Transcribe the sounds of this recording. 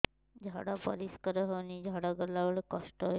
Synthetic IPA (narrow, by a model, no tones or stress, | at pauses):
d͡ʒʱaɽapəɾiskəɾəɦɔnid͡ʒʱaɽaɡəlaʋəɭekɔsʈə